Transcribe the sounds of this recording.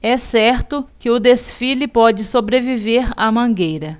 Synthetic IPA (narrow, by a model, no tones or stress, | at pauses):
ɛsɛɾt̪ʊkɪʊd̪esfilɪpɔd͡ʒɪsobɾeviveɾɐmɐ̃ɡejɾɐ